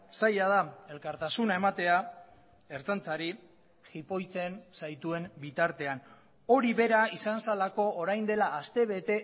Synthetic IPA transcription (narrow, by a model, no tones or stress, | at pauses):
sajað̞ae̞lkaɾt̪asunae̞mat̪e̞a | e̞ɾt͡sant͡saɾi | xipo̞jt͡se̞nsajt̪ue̞mbit̪aɾt̪e̞an | o̞ɾiβe̞ɾaisansalako̞ːɾajnd̪e̞laːst̪e̞βe̞t̪e̞